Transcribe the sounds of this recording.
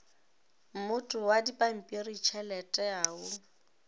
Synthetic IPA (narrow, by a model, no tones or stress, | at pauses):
m̩mʊtʼʊwadipʼam̩pʼirit͡ʃʰɛlɛtʼɛaːʊ